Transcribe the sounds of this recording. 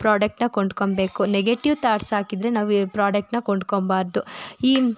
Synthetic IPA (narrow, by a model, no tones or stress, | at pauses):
pɾaːɖɐk̚ʈnɐkoɳɖkombeːkuneɡeʈiʋt̪aːɾsaːkid̪ɾe̞naːʋpɾaːɖɐk̚ʈnɐkoɳɖkombaːɾd̪uiː